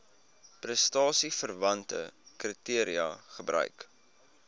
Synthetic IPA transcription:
prəstɑːsifərvɐntə̰kritiəɾiɐχəbrœ̰ɥk

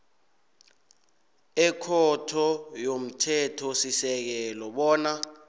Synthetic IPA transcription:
ɛkʰɔtʰɔjom̩tʰɛtʰɔsisɛk̬ɛlɔɓɔːna

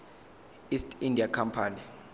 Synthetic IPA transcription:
istʰʼindʱiakʰampʰaːni

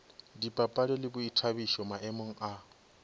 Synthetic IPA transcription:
dipʼapʼalɛlɪbʊitʰabiʃɔmaʔɛmɔŋ̩a

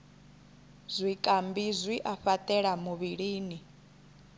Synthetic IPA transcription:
zʷwikʼambizʷwiʔaɸat̪ʼɛɺamuβiɺiːni

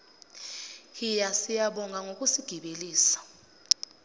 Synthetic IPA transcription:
ijasijaɓɔŋʱaŋok̬ʼusiɡ̥ʱiɓeliːsḁ

